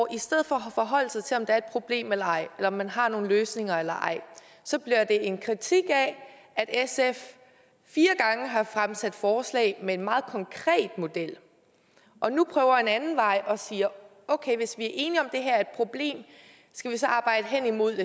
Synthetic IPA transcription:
ɒʔisd̥eð̞̰ˠfɒɒfɒ̽ɦɒ̽l̰sɑ̈ɪt͡sʰe̝lɒ̽md̥ɑɐed̥̚pʰʁo̝b̥le̝̰ːmelɐɑ̈ɪ̰elɐɒ̽mːænɦɑ̈no̝ːn̩løːsne̝ŋɐelɐʔɑ̈ɪ̰ | sɒ̽b̥liɐd̥e̝ʔe̝nkʰʁit͡sʰiɡ̥ɛ | æd̥esef | fiːɐɡ̥ɑ̈ŋəɦɑ̈fʁamsæd̥fɒːslɛ̰ɪmee̝nmɑ̈ːð̩ˠkʰɒ̽ŋkʰʁɛ̰ːd̥mo̝d̥el̰ | ʔɒ̽nupʰʁœːʊɐe̝nænn̩ʋɑ̈ɪʔɒ̽siːɐ | ɔʊkʰeɪʋe̝sʋiæɐʔe̝ːniɒ̽md̥e̝ɦæɐɐe̝d̥̚pʰʁo̝b̥le̝̰ːm | sɡ̥æʋis̬ɒ̽ʔɑ̈ːb̥ɑ̈ɪ̰d̥əɦen̰imo̝ð̰ˠd̥e

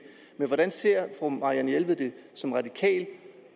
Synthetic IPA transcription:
meʋɒɾ̥ænse̝ɐ̰fʁomɑ̈ʁiænjelʋð̩ˠd̥e̝sɒ̽mʁɑ̈d̥ikʰɛ̰ːl

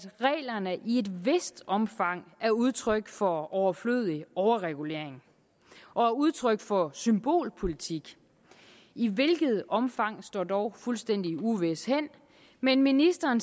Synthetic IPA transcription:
ʁɛ̰ːlɐnəʔie̝d̥ʋesd̥ɒ̽mfɑ̈ŋ̰æɐuð̞ˠt͡sʰʁœɡ̥fɒ̽ɒʊɐfløːð̩ˠiɒʊɐʁɛɡ̥ule̝̰ɐ̰e̝ŋ | ʔɒ̽æɐuð̞ˠt͡sʰʁœɡ̥̚fɒ̽symb̥o̝̰ːlpʰo̝lit͡sʰiɡ̥ | iʋe̝lɡ̥ð̞̩ˠɒ̽mfɑ̈ŋ̰sd̥ɒ̰ːd̥ɒʊfulsd̥en̰d̥iuʋe̝shen̰ | menminisd̥ɐːn

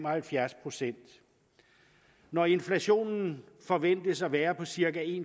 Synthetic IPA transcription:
mɒhælfjæɐspʰʁo̝sen̰d̥ | nɒe̝nflæɕo̝̰ːnn̩ | fɒ̽ʋen̰d̥əsɒʋæːɐpʰɒ̽siɐɡ̥æe̝ːn

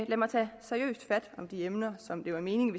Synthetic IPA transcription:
læmɑ̈ɪt͡sʰɛ̰ːsæɐiø̰ːsd̥fæd̥ɒ̽md̥iemnɐsɒ̽md̥e̝ʋɑ̈me̝ːnɪ̝ŋʋe̝

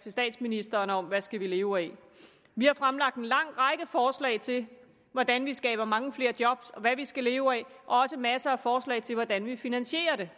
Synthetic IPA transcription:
t͡sʰe̝sd̥ɛ̰ːd̥sminisd̥ɐːnəɒ̽mʋæsɡ̥æʋile̝ːʊɛ | ʋihɑ̈fʁamlɑ̈ɡ̥̚d̥enlɑ̈ŋ̰ʁɑ̈ɪɡ̥əfɒːslɛ̰ɪt͡sʰe̝l | ʋɒd̥ænʋisɡ̥ɛ̰ːb̥ɐmɑ̈ŋəfle̝ːɐd̥jɒ̽b̥sɒ̽ʋæʋisɡ̥æle̝ːʊɛ | ʔɒ̽ɒ̽səmæsɐæfɒːslɛ̰ɪt͡sʰe̝lʋɒd̥ænʋifinænɕe̝̰ːɐɾe̝

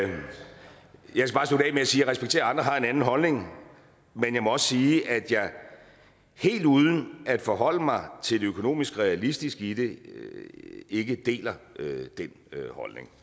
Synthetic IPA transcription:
jɑaɪskæbɑ̈ːsodɛ̰meæsiːɐʁɛsb̥eɡ̥t͡sʰe̝̰ːɐɑ̈nd̥ʁɐɦɑ̈e̝nænn̩ɦɒ̽lne̝ŋ | menjɑ̈ɪmɒ̽ɒ̽sə̥siːʔæd̥jɑ̈ɪ | he̝̰ːld̥uːð̞ˠn̩æd̥fɒ̽ɦɒ̽l̰əmɑ̈ɪt͡sʰe̝ldøkʰo̝no̝̰ːmisɡ̥ʁɛælisd̥isɡ̥id̥e̝ | e̝ɡ̥əd̥e̝̰ːlɐd̥en | hɒ̽lne̝ŋ

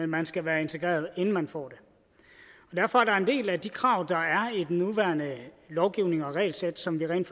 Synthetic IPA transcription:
æmænsɡ̥æʋæːɐe̝nt͡sʰe̝ɡ̥ʁɛ̰ːɐð̞ˠenn̩mænfɒ̰ːd̥e̝ | ɒ̽d̥æɐfɒ̽æɐɾɑ̈e̝nd̥e̝̰ːlæd̥ikʰʁɑ̈ʊ̰d̥ɑ̈æɐid̥nuʋæːɐnə | lɒʊɡ̥iʊne̝ŋɒ̽ʁɛ̰ɪlsed̥sɒ̽mʋiʁɛ̰ːndf

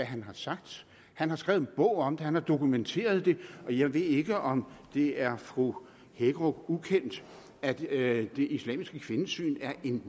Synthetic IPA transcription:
æɦænɦɑ̈sɑ̈ɡ̥̚d̥ | hænhɑ̈sɡ̥ɛ̰ːʊð̩ˠnb̥ɔ̽ʊ̰ɒ̽md̥ehænhɑ̈d̥o̝kument͡sʰe̝̰ːɐð̞̩ˠd̥e̝ɒ̽jɑ̈ɪʋe̝ðˠe̝ɡ̥əʔɒ̽md̥e̝æɐfʁu | heɡ̥ʁɔ̥ukʰen̰d̥ | æd̥d̥e̝ʔislɛ̰ːmisɡ̥əkʰʋe̝nəsy̰ːnæɐʔe̝n

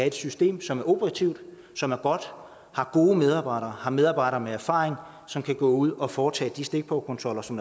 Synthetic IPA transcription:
æe̝d̥sysd̥e̝̰ːmsɒ̽mæɐʔo̝bʰəʁɑt͡sʰiʊ̰d̥ | sɒ̽mæɐɡ̥ɒ̽d̥ | hɑ̈ɡ̥o̝ːəmeð̞ˠɑ̈ːb̥ɑ̈ɪ̰ɾ̥ɐːhɑ̈meðˠɑ̈ːb̥ɑ̈ɪ̰ɾɐːmeæɐfɑ̰̈ːʁeŋ | sɒ̽mkʰæɡ̥ɔ̰ːuð̞̰ˠɒ̽fɒːt͡sʰɛ̰ːd̥isd̥e̝ɡ̥̚b̥ʰɒʊkʰɔ̽nt͡sʰʁɒ̽lɐsɒ̽m

